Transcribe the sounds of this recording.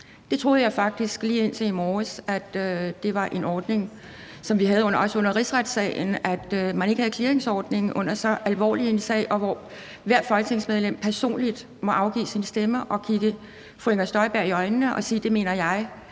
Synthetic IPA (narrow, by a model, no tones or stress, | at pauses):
d̥e̝t͡sʰʁo̝ːð̞̩ˠjɑ̈ɪfɑ̈ɡ̥̚d̥isɡ̥liːe̝n̰t͡sʰe̝imɒːsæd̥ød̥e̝ʋɑ̈ʔe̝nɒːd̥ne̝ŋ | sɒ̽mʋiɦæð̞̩ˠɔ̽n̰ɐɒ̽sɔ̽n̰ɐʁisʁad̥sɛ̰ːɪnæd̥mæne̝ɡ̥əhæð̩ˠkʰleɐeŋsɒːd̥ne̝ŋ̩ʔɔ̽n̰ɐsɒ̽ʔælʋɒ̰ːlie̝nsɛ̰ːʔɒ̽ʋɒ | ʋæɐd̥fɒ̽lɡ̥ət͡sʰe̝ŋsmeð̞ˠlem̰pʰæɐso̝̰ːnlid̥ | mɒ̽ʔɑ̈ʊɡ̥ḭːsinsd̥eməʔɒ̽kʰiɡ̥ə | fleŋɐsd̥ɒ̽ɪb̥æɐ̰iɒ̽ɪnnəʔɒ̽siːd̥e̝me̝̰ːnɐjɑ̈ɪ